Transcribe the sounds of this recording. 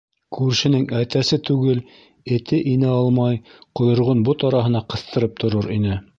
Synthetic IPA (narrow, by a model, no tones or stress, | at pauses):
kʉɾʃɘ̆nɘŋæt̪æsɘt̪ʉɡɘl | ɘ̆t̪ɘʔinɘɑlˠmɑjqŏjŏɾʁonbot̪ɑɾɑɦɤ̆nɑqɤ̆θt̪ɤ̆ɾɤp̚t̪ʰŏɾoɾinɘ